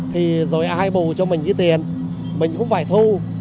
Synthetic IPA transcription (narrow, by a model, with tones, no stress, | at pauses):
t̪ʰi˨˩zo˨˩jhaː˧jɓu˨˩t͡ɕɔ˧mï˨˩ŋ̟zi˧t̪i˨˩ən | mï˨˩ŋ̟kʊ̰˧˥wŋ͡mfaː˧˩jt̪ʰu˧